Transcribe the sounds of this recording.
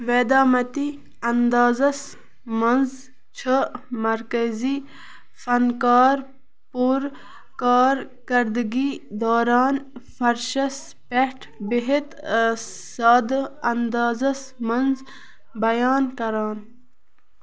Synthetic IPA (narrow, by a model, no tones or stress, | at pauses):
ʋeːd̪aːmɐt̪i | ɐnd̪aːzɐs | mɐnz | t͡ʃʰəmɐɾkɐzi | fɐnkaːɾ | puɾ | kaːɾ | kɐɾd̪ɡid̪oːɾaːnfɐɾʃɐs | peʈʰbeɦet̪ | saːd̪ɐnd̪aːzɐsmɐnz | bɐjaːnkɐɾaːn